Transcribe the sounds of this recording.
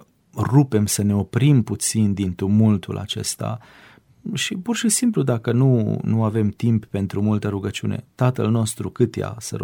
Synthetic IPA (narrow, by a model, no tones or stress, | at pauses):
rupe̞msəne̞o̞pɾimput̪sind̪int̪umult̪ṵlʔa̰t͡ʃe̞̰st̪a̰ | ʃipurʃisimplud̪akənunuave̞mt̪impːe̞nt̪ɾumult̪əɾuɡət͡ʃune̞̰t̪at̪əlno̞st̪ɾukɨt̪ja̰sə̰ɾ